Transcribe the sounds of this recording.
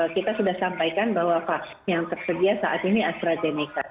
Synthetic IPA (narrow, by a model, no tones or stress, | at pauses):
əkit̪asudahsampajkanbaɦwapa | jaŋt̪ərsədiasaʔat̪iniast̪ɾazenika